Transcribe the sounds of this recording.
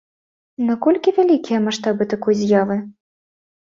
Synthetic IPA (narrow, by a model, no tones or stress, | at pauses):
nakɔlʲkʲivʲalʲikʲijɐmaʂt̪abɨt̪akujzʲjavɨ